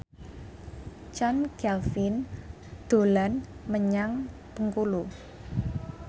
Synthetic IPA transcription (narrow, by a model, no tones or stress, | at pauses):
t͡ʃankɛlfin | d̪̥o̤lanməɲaŋ | pəŋkulu